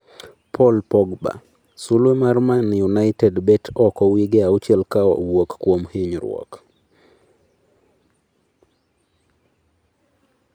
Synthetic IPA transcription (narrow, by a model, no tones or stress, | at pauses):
pʰɔlpɔɡba̰ | sulwemarmanjunajtɛdbɛtʰɔkɔwiɡeaut͡ʃɛlkaɔ̰wokkwomhɪɲɾwɔ̰k